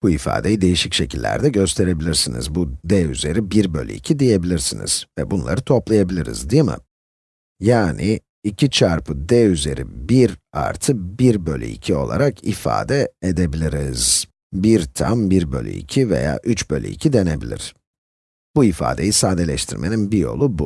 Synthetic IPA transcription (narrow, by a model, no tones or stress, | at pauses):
b̥uifa̰ːd̪e̞jid̪e̞jiʃicʃe̞cʰilʲːæ̰ɾd̪ɛɟø̞st̪ʰe̞ɾe̞bilʲiɾsinḭzbud̪ɛyze̞ɾibiɾbø̞̰lʲy̰icʰid̪ije̞bilʲiɾsinḭz̥vɛbunlˠa̰ɾɯt̪ʰo̞plˠajabilʲiɾḭzd̪ijmɯ̰ | jaːnʔiː | cʰit͡ʃʰaɾpʰɯd̪ɛyze̞ɾḭbiɾa̰ɾt̪ʰɯbiɾbø̞lʲy̰ḭcʰio̞lˠa̰ɾakʰifa̰ːd̪ɛed̪e̞bilʲiɾiz̥ | biɾt̪ʰambiɾbø̞̰lʲy̰ḭcʰive̞̰ja̰ːʔyt͡ʃbø̞̰lʲy̰icʰid̪e̞ne̞bilʲḭɾ̥ | buifa̰ːd̪e̞̰jisaːd̪e̞lʲɛʃt̪ʰiɾmʔe̞̰ninbijo̞̰lˠubu